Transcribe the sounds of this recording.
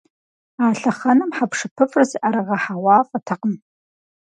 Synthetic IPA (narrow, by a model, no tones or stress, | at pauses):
aːɬɐχɐnɨmħapʂɨpʰɨfʼrɨzʔaɾɐʁɐħawɑːfʼɐtʰɐqəm